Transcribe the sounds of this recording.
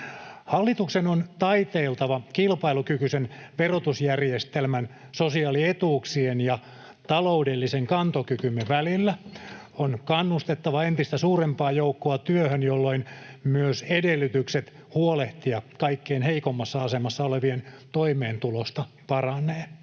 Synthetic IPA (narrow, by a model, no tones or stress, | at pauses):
hɑlːit̪uksenont̪ɑit̪eːlt̪ɑʋɑkilpɑilukykysenʋerot̪usjærjest̪elmæn | sosiɑːliet̪uːksienjɑ | t̪ɑloudelːiseŋkɑnt̪okykymːeʋælilːæ | onkɑnːust̪et̪ːɑʋɑent̪ist̪æsuːrempɑːjoukːoɑt̪yøhønjolːoinmyøsedelːyt̪ykset̪ | huoleht̪iɑkɑikːeːnheikomːɑsːɑɑsemɑsːɑoleʋient̪oimeːnt̪ulost̪ɑ | pɑrɑnːˑeː